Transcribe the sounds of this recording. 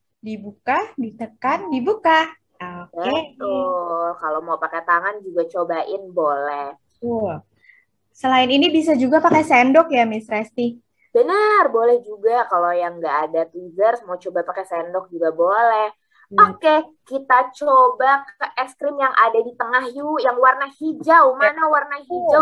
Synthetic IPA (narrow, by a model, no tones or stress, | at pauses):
dibukadit̪əkandibuka | okbəet̪ʊlkalomaupakɛt̪aŋand͡ʒuɡat͡ʃobaʔɪnbolɛh̪ | ul | səlaɪninibis̬ad͡ʒuɡapakasɛndɔkjamɪsɾɛst̪i | b̥ənərbolɛhd͡ʒuɡakalojaŋɡaʔːdat̪uzərsmat͡ʃobapakɛsɛndɔk̚d͡ʒuɡabolɛh | ahkɛkit̪at͡ʃobakəʔɛskɾɪmjaŋʔadadit̪əŋahjujaŋwarnahid͡ʒawmanawarnaɦid͡ʒaw